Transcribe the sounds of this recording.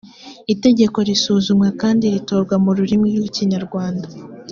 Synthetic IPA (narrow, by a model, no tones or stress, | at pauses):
ite̞ɟe̞ko̞ɾisuːzumŋekaːndiɾito̞ːɾɡwamuɾuɾimijuiciɲaɾɡwaːnda